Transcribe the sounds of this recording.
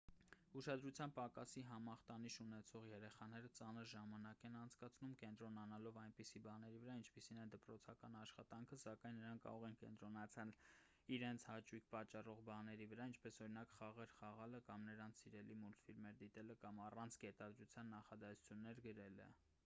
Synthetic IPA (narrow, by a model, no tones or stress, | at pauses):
uʃɑd̪ɾut͡sʰjɑnpɑkɑsiɦɑmɑχt̪ɑniʃunɛt͡sʰɔʁjɛɾɛχɑnɛɾət͡sɑnəɾʒɑmɑnɑkɛnɑnt͡sʰkɑt͡sʰnumkɛnt̪ɾɔnɑnɑlɔvɑjnpisibɑnɛɾivəɾɑint͡ʃʰpisinɛnd̪əpɾɔt͡sʰɑkɑnɑʃχɑt̪ɑŋkʰəsɑkɑjnːəɾɑŋkʰɑ̰ɾɔʁɛnkɛ̰nt̪ɾɔnɑt͡sʰɑl | iɾɛnt͡sʰhɑt͡ʃujkʰpɑt͡ʃːɑrɔʁbɑnɛɾivəɾɑint͡ʃʰpɛsɔɾinɑkχɑʁɛɾχɑʁɑləkɑmnəɾɑnt͡sʰsiɾɛlimult̪filmɛɾd̪it̪ɛləkɑmɑrɑnt͡sʰkɛt̪ɑd̪ɾut͡sʰjɑnːɑχɑd̪ɑsu̥t͡sʰjunːɛɾɡəɾɛlə̰